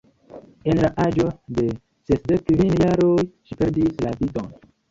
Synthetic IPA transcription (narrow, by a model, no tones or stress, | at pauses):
enlaʔad͡ʒo̞de̞ | sesdekːvinjaɾojʃipeɾdislavito̰n